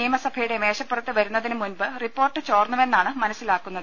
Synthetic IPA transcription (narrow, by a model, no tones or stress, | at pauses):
iːmɐsɐbʱɐjuɽe̞me̞ːɕɐpːerɐt̪ːɨʋɐɾunːɐðinɨmunbɨripːo̞ːrʈːɨt͡ɕoːrnːume̞nːaːɳɨmɐnɐsːilaːkːunːɐðɨ